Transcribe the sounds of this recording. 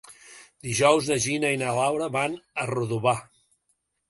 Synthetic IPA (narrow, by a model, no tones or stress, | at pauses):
d̪iʒɔwznəʒinəinalawɾəβanəruðuβa